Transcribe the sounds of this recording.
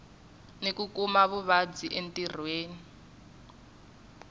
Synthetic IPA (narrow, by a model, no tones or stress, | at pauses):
nekukumaβuβad͡ziʔentir̤weːni